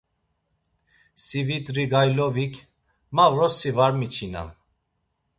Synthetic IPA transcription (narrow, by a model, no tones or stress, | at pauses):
sivit̪ɾiɡajlɔvikʰʲ | mavɾɔsivaɾmit͡ʃʰina̰m